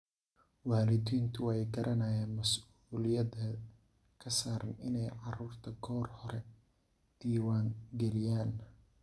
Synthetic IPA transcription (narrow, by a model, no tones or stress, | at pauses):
waːlɪd̪iːnt̪ʰʊwɛjɡɐɾʔɐnɐjaːnmɐsuːlɪjɐdɐ | kʰɐsaːɾɐnɪnɛjʕɑruːrt̪ʰɐɡʰɔːrhɔɾɛ | d̪̥iːwaːŋɡɛlɪjaːn